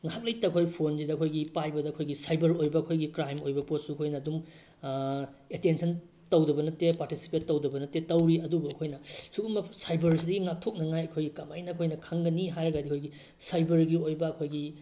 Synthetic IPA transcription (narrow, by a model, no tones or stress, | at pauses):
ŋaɦak̚lɐjtɐkʰojpʰonsidɐkʰojɡipajbɐdɐɐkʰojɡisajbɐɾojbɐɐkʰojɡikɾajmojbɐpot̚suɐkʰojnɐːdum | etensʰɐn | tɐwdɐbɐnɐtːepaɾtisi̥petːɐwdɐbɐnɐtetɐwɾiɐdubuɐkʰojnɐsuɡumɐsajbɐɾsidɐɡiŋak̚tʰok̚nɐŋajɐkʰojɡikɐmajnɐɐkʰojnɐkʰaŋɡɐniɦajɾɐɡadiɐkʰojɡi | sajbɐɾɡiojbɐɐkʰojɡi